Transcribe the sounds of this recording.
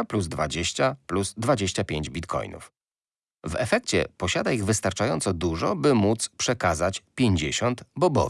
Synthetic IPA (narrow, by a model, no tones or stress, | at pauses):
pluzd̪va̰d͡ʑeɕt͡ɕapluzd̪vad͡ʑeɕt͡ɕapʲjeɲd͡ʑbʲit̪kʰɔ̰jnṵf | vɛfɛkt͡ɕɛ̰pɔɕad̪aiɣvɘst̪aɾt͡ʂajɔnt̪sɔd̪uʐɔbɘmut̪spʂɛkazat͡ɕpʲjeɲd͡ʑeɕɔnt̪bɔbɔ̰